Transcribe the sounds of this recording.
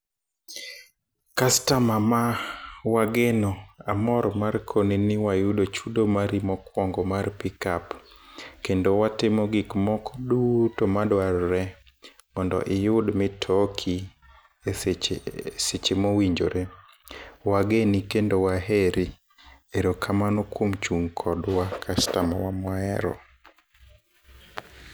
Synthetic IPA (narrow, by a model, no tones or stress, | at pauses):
kastamamawaɡenoamɔɾmarkʰoninɪwajudot͡ʃudomaɾimɔkwɔŋɡɔmarpikap | kendowatɪmɔɡikmɔkʰɔdutomadwaɾːɛ | mɔndɔ̰ʔɪjʊdmɪtʰɔkʰi | e | set͡ʃemowiɲd͡ʒo̰ɾe | waɡenikendowaɦeɾi | eɾokʰamanokwomt͡ʃuŋkʰɔdwakʰastamawamwaɛɾɔ̰